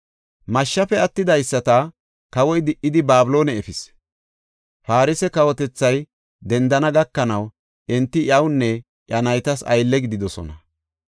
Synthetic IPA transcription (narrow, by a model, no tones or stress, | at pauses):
mɐʃːɐfɛɐt̪ːɪd̪ɐjsːɐt̪ɐ | kɐwɔjd̪ɪʔːɪd̪ɪbaːbɪlo̞ːnɛːfɪs | faːɾɪsɛkɐwɔt̪ɛt͡sːɐj | d̪ɛnd̪ɐnɐɡɐkːɐnɐw | ʔɪnt̪ːɪʔɐwnːɛ | ʔjɐnɐjt̪ɐsɐ̰jlːɛɡɪd̪ɪd̪ɔsɔ̰nɐ